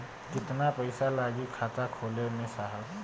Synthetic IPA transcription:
kɪt̪napəɪsalaːɡikʰaːt̪akʰoːlenesaɦa

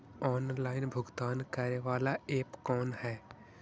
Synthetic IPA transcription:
ɔːnlaːɪnbʱʊɡt̪aːnkaɾeʋaːlaeːpkɔːnɦɛː

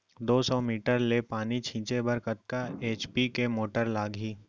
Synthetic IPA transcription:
d̪oːsɔːmiːʈəɾlepaːnit͡ʃʰĩːt͡ʃebɐɾkət̪̚kaeːt͡ʃpikemoːʈəɾlaːɡʱiː

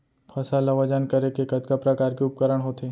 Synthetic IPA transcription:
pʰɐsalaʋad͡ʒankɐɾekekɐt̪kapɾɐkaːɾkeʊp̚kəɾəɽ̃ɦoːt̪eː

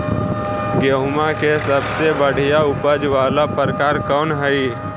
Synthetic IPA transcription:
ɡeɦmãkesəbsebəɽ̤ijaʊpəd͡ʒʋaːlapəɾəkaːɾkɔːnɦəi

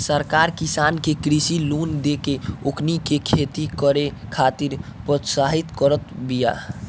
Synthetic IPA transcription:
səɾkaɾkisankekɾisilund̪ekeokʰnikekʰet̪ikəɾekʰat̪iɾpɾɔt̪saɦit̪kəɾət̪bija̰

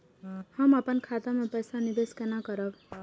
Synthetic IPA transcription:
hʌmʌpənkʰat̪amepʌjsanid̪eskenakʌɾʌb

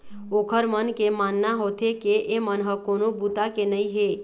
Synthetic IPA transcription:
oːkʰəɾmənkemanːaɦoːt̪ʰekeʔemənɦəkoːnobut̪akenəĩɦe

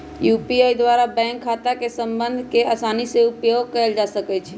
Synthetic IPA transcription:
jupiajd̪waɾabɛ̃ŋkʰːat̪akesəmbənd̪ʱkeasaniseupjoɡkɛjld͡ʒasəkɛt͡ʃʰɛ

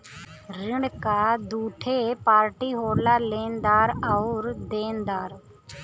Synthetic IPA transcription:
ɾɪɳkaːd̪uːʈʰeːpaːɾʈiːɦoːɾlaːleːnd̪aːɾɔʊɾd̪eːnd̪aːɾ

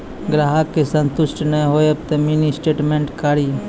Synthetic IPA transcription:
ɡɾaːɦakːesə̃nt̪ʊʃʈnəɦoːjɐp̚t̪eminisʈeːʈmẽɳʈkaːɾi

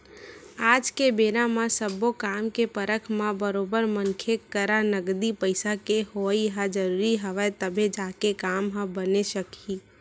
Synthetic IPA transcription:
aːd͡ʒkebeːɾãmãsəbokaːmkepəɾəkʰmãbəɾobəɾmənkʰekəɾanəɡd̪ipəɪsakehoiɦad͡ʒəɾuːɾiɦəʋaet̪əbʱẽd͡ʒaːkekaːmɦãbəneʃəkʰi

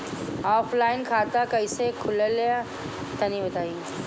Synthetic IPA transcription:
ɔːfʰlaːɪnkʰaːt̪akɐɪsekʰʊlelea | t̪ɐnĩbɐt̪aːiː

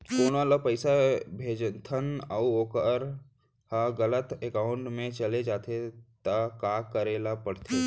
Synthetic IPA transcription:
koːnalapəɪsabʱeːd͡ʒt̪ʰənəuoːkəɾ | haɡələt̪ekaːʊ̃ɳʈmẽt͡ʃəled͡ʒaːt̪ʰet̪akaːkəɾeːlapəɽt̪ʰe

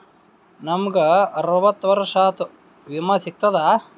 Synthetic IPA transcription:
nɐmɐɡɐɐɾɐʋɐt̪ːʋɐɾɐʂaːt̪u | ʋimɐsik̚t̪ɐd̪aː

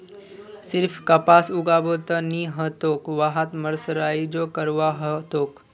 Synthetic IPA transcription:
sɪɾfʰkɐpaːsʊɡaːboːt̪əniːɦət̪oːkʋaɦat̪mɐɾsəɾaːid͡ʒoːkɐɾʋaːɦət̪oːk

